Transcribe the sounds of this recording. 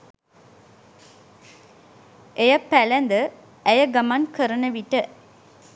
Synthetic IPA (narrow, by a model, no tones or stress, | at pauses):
ejapːælænd̪ə | æjəɡamankəɾənəʋiʈə